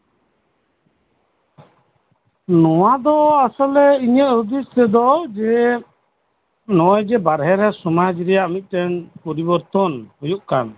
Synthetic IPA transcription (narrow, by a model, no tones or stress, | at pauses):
nɔwad̪ɔasɔlɛiɲət̪ɾud̪ist̪ɛd̪ɔd͡ʒɛ | nɔɔjd͡ʒɛbaɾɦɛɾɛsɔmad͡ʒɾɛjaʔmit̪̚ˀtɛnpɔɾibɔɾt̪ɔnhujuʔkan